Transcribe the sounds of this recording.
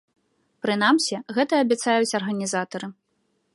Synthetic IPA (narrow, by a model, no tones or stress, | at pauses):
pɾɨnamsʲiɣɛt̪ɐːbʲɛt̪sajut͡sʲɐrɣɐnʲizat̪ɐɾɨ